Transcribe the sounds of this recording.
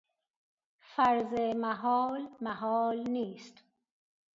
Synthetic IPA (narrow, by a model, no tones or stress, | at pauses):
faɾzemaɦɔːlmaɦɔlniːst̪